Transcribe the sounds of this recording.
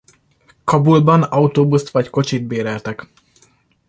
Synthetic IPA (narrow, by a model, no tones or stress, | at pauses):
kɒbulbɒnɒut̪oːbust̪ʋɒcko̞t͡ʃit̪̚beːɾɛlt̪ɛk